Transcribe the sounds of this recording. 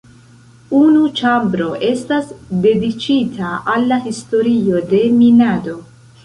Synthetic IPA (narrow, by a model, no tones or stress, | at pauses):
unut͡ʃambɾo̞ʔe̞stasde̞dit͡ʃitʰaalːahisto̞ɾio̞de̞minado̞